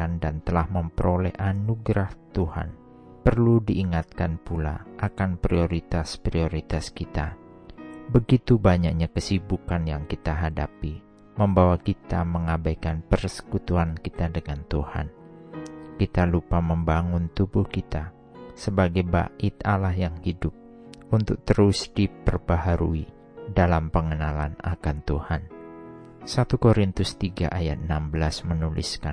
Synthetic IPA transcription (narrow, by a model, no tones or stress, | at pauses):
andant̪əlahməmpəɾolɛhʔanuɡɾaht̪uha̰n | pərludiʔːŋat̪̚kanpula̰ʔakanpɾioɾit̪aspɾioɾit̪askit̪a̰ | bəɡit̪ubaɲak̚ɲakəsibukanjaŋkit̪aɦadapi | məmbawakit̪aməŋabajkanpərsə̥kut̪uankit̪adəŋant̪uha̰n | kit̪alupaməmbaŋʊnt̪ubuhkit̪a | səbaɡajba̰ʔɪt̪alahjaŋhidʊp̚ | unt̪ʊk̚t̪əɾʊsdipərbaɦaɾṵi | dalampəŋənalana̰kant̪uhan | sat̪ukoɾint̪ʊst̪iɡa̰ʔajat̪̚ənambəlasmənulḭskan